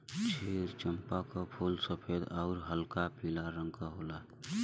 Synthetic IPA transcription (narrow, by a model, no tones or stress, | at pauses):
t͡ʃʰeːɾt͡ʃəmpakapʰuːlsəpʰeːd̪aʊɾɦəlkapiːlaɾə̃ŋkaɦola